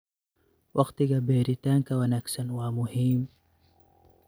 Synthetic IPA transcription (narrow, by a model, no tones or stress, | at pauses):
wʔɐqt̪iɡabeɾit̪aŋkawanɐksɐnwaːmuhim